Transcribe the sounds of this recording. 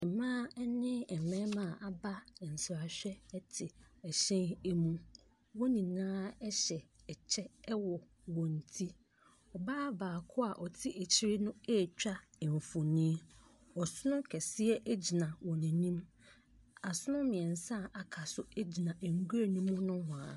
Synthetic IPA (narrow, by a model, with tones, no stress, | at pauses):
ɛ˨mã˦nɪ̃˦ɛ˨mɛ̃˦mã˨ʔa˨ba˦˨n̩˨sɪ˨a˨ɕᶣɛ˦tʰɪ˨ɛ˨ɕɛ̃˦ne˦mũ˦ | wɔ˦nĩ˨nãː˦ɛ˦ɕɛ˨ | ɛ˨t͡ɕʰɛ˦wɔ˨ | wɔ̃˨n̩˨tʰi˦ | ɔ˨baː˦baː˨kʰʊ˦a˨ʔɔ˨tʰɪ˦ʔe˨t͡ɕʰi˦ɾɪ˦nʊ̃˦e˦˨t͡ɕᶣa˦˨ɱ̩˨fo˨nĩ˦ | ɔ˨sʊ˦nʊ̃˦kʰɛ˨sɪ˦ɛ˦ʔe˦d͡ʑi˨nã˨wɔ̃˨nĩ˨nĩ˦m | a˨sʊ˦nʊ̃˦mɪ̃˨ɛ̃˨n˨sã˦˨a˨kʰa˨sʊ˦e˦d͡ʑi˨nã˨ʔŋ̩˨ɡu˦e˦˨nĩ˦mːʊ̃˦nʊ̃˦hʊ̃˨a˨